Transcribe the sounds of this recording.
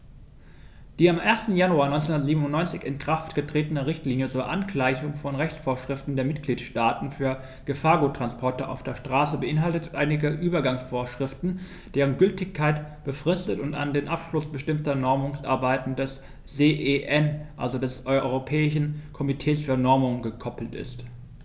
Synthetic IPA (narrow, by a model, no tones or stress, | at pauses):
d̥iːamʔeːɐstn̩januaːɐnɔʏnt͡senundɐətziːbm̩ʊnɔʏnt͡sɪçɪnkʁ̥aftɡ̥ətʁ̥eːtənəʁɪçtliːnjət͡suːɐʔanklaɪçʊŋfɔnʁɛçt͡sfoːɐʃʁ̥ɪftn̩deːɐmɪtɡ̥liːtʃtaːtn̩fyːɐ | ɡ̥əfaːɐɡutʁ̥anspʰɔɐtəʔa̰ʊfd̥eːɐʃtʁ̥aːsəbəʔɪnɦaltətʔa̰ɪnɪɡəʔyːbɐɡaŋsfoːɐʃʁ̥ɪftn̩ | d̥eːʁ̞ənɡʏltɪçkʰːaɪtb̥əfʁ̥ɪstətʊnta̰ndeːnʔapʃlʊsb̥əʃtɪmtɐnɔɐmʊŋsʔa̰ɐbaɪtn̩dɛs | zeːʔeʔɛnʔa̰lzodɛsʔɔʏɔʏʁopʰɛːɪʃ̬n̩kʰɔmitʰɛːsfyːɐnɔɐmʊŋɡəkʰɔpl̩tʔɪ̰st